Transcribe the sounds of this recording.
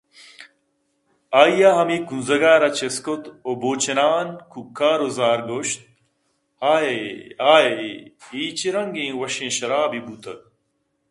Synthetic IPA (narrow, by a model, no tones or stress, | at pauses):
aːijaɦɐmikunzɐɡaːɾɐt͡ɕeskot̪oboːt͡ɕenaːnkʰukaːɾozaːɾɡoːɕt̪̚ | haːeaːeiːt͡ɕiɾɐŋɡẽːwɐɕẽːɕɐɾaːbibut̪ɐ